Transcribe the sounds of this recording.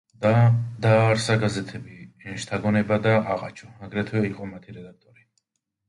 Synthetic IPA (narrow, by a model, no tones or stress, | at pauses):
d̪aːɾsaɡazɛt̪ʰɛbiʃt̪ʰaɡɔnɛbad̪aʔaʁa̰t͡ʃʰɔaɡɾɛt̪ʰwɛiqʼɔmat̪ʰiɾɛd̪ak̚ʰt̪ʼɔɾi